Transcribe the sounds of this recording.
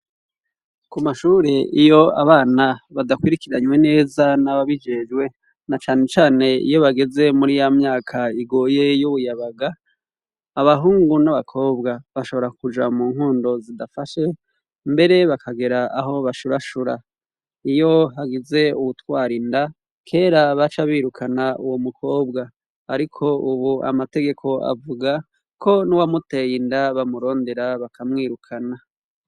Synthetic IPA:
kumaʃuːɾeʔijo̞a̰βaːnaβadakwiɾikiɾaɲwe̞ne̞ːzanaβaβid͡ʒe̞ːd͡ʒɡwe̞ | nat͡ʃaːne̞t͡ʃaːne̞ḭjo̞βaɡe̞ze̞muɾijamɲaːkʰaiɡo̞je̞juβujaβaɡaː | βaɦuːŋɡunaβakʰo̞ːbɡaβaʃo̞βo̞ɾakud͡ʒamuːŋ̥huːndo̞zidafaʃe̞ | mbe̞ɾe̞βakʰaɡeɾaaɦo̞βaʃuɾaʃuɾa | ijo̞ɦaɡize̞uβutwaːɾinda | kʰe̞ːɾaβat͡ʃaβiːɾukʰanaṵwo̞mukʰo̞ːbɡaː | ɾikʰo̞uβuʔa̰mate̞ɡe̞kʰo̞ʔa̰vuɡa | kʰo̞nuwamute̞jindaβamuɾo̞ːnde̞ɾaβakamŋiːɾukʰana

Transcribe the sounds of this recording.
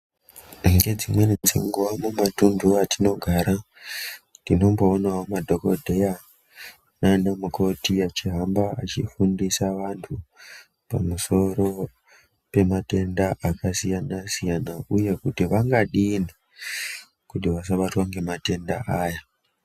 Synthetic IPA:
neŋɡe̞d͡zimwe̞ned͡zḭŋɡuʋamumatundʱuatino̞ɡʱaɾa | ntdino̞mboːnawomadʱo̞ko̞̰dʱe̞ja | nanemuko̞tijat͡ʃiɦambaat͡ʃifundisaʋantʰu | pa̰muso̞ɾo̞ | pe̞mate̞ndaʔakasijanasijanauje̞kutiʋaŋɡaɗini | kutiʋasaɓatwaŋɡe̞mate̞nda̰ʔaːja

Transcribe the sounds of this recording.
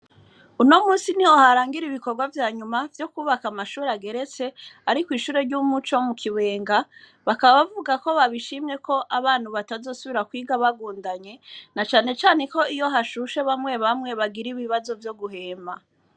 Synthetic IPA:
uno̞muːsiniohaɾaːŋɡiɾiβiko̞ɾɡwavjaːɲumavjo̞kuːβakamaʃuːɾaɡe̞ɾe̞t͡se̞aɾikwiːʃuːɾe̞ɾɟumut͡ʃomukʰiβe̞ːŋɡa | βakaβaβavuɡako̞βaβiʃimje̞ko̞ʔaβaːn̥huβatazo̞ːsuβiɾakwiːɡaβaɡuːndaɲe̞nat͡ʃaːne̞t͡ʃaːne̞ko̞ijo̞ɦaʃuʃe̞βamŋe̞βamŋe̞βaɡiɾiβiβazo̞vjo̞ɡuɦe̞ːma

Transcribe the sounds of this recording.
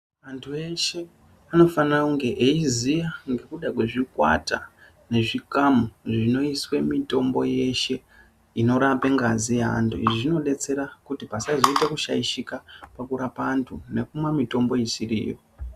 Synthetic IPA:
antʰue̞ʃe̞ | ano̞fanrakuŋɡe̞ʔeizijaŋɡe̞kuɗakwe̞ʐikwa̰ta | ne̞ʐikamuʐino̞iswe̞mito̞mbo̞je̞ʃe̞ | ino̞ɾapeŋɡazija̰ntʰuḭʐiʐino̞ɗe̞t͡se̞ɾakutipasaiʐoitekuʃaiʃikapakuɾapantʰune̞kumamito̞mbo̞it͡ʃirḭjo

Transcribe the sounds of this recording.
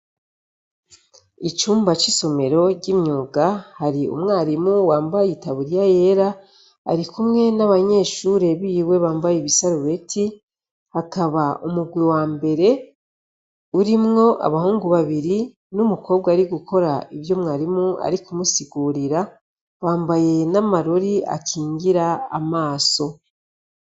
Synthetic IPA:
it͡ʃuːmbat͡ʃisome̞ɾo̞ɟimɲuːɡahaɾiṵmŋaːɾimuwaːmbajitaβuɾjaje̞ɾa̰ː | ɾikumŋe̞naβaɲe̞ːʃuːɾe̞βiwe̞βaːmbajeβisaɾuβe̞tʰi | hakaβaumuɡwiwaːmbe̞ɾe̞ | uɾimŋo̞ʔa̰βahuːŋɡuβaβiɾi | numukʰo̞ːb̚ɡaːɾiɡuko̞ɾaiβjomŋaːɾimua̰ɾikumusiɡuɾiɾa | βaːmbaje̞namaɾo̞ɾia̰kiːɲɡiɾa̰ːmaːso̞

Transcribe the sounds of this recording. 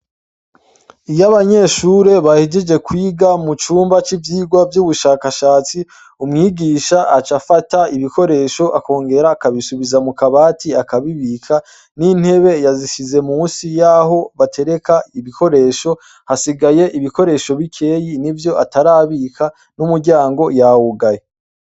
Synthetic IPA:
ijaβaɲe̞ːʃuɾe̞βahid͡ʒed͡ʒe̞kwiːɡamut͡ʃuːmbat͡ʃivjiːɡwavjuβuʃaːkaʃaːt͡si | umŋiːɡiːʃaʔat͡ʃafataiβiko̞ɾe̞ːʃo̞ʔako̞ːŋɡe̞ɾaːkaβisuβizamukaβaːtiakaβiβikʰa | nin̥he̞βe̞jaziʃize̞mumusijaːɦo̞βatʰe̞ɾe̞kaiβiko̞ɾe̞ːʃo̞ | hasiɡaje̞ʔiβiko̞ɾe̞ʃo̞βikʰe̞ːjinivjo̞ʔataɾaːβikʰa | numuɾɟaːŋɡo̞jawuɡaje

